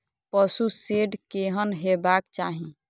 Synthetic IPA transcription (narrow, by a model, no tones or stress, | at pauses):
pəsuseɖkeɦənɦebakt͡ʃaɦĩ